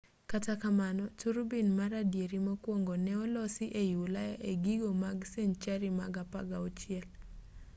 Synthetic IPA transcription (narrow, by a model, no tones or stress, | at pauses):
katakamanɔtuɾbinmaɾadjeɾimakwoŋɡɔnɛɔlɔsɪʔejulajaʔeɡiɡomaɡseɲt͡ʃaɾimaɡapaɡaɔt͡ʃɪɛl